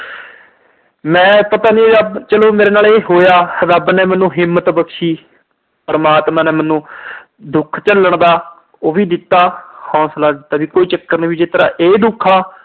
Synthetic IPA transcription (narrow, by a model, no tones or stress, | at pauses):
mɛ̃ːpət̪aːnĩːɾəbt͡ʃəloːmeːɾeːnaːleːɦoːjaːɾəbnɛ̃ːmɛ̃ːnũːɦɪmːət̪bəkʃiː | pəɾəmaːt̪mãːnɛ̃ːmɛːnũː | d̪ʊkʰt͡ʃəlːəɳd̪aː | oːʋiːd̪ɪt̪ːaːhɔ̃ːslaːd̪ɪt̪aːbiːkoːiːt͡ʃəkːəɾniːbiːd͡ʒɪt̪əɾa̰ːʔeːd̪ʊkʰːaː